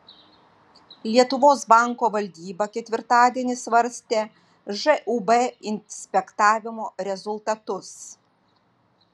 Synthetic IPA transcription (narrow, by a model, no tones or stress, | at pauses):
lʲiɛt̪ʊʋoːsbɑˑŋkoːʋɐlʲd̪ʲiːbɐkʲɛt̪ʲʋʲɪɾt̪ɑːd̪ʲiɛnʲɪsʋɐɾʲsʲt̪ʲeː | ʒɛʔubɛɪnʲsʲpʲɛkt̪ɑːʋʲɪmoːɾʲɛzʊlˠt̪ɐt̪ʊs